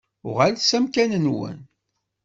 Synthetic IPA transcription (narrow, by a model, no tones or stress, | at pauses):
ʊʁalsæmkænənwə̰n